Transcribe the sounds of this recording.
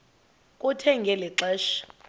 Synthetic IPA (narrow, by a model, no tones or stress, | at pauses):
kʼutʰɛŋɡʱɛlɛǁɛːʃḁ